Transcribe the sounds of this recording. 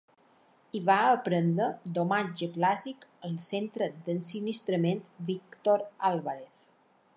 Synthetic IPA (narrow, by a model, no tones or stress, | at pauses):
iβaəpɾənd̪ɾəd̪omad͡ʒəplazikəlˠsent̪ɾəd̪ənsinist̪ɾəment̪bikt̪oɾalˠβaɾeθ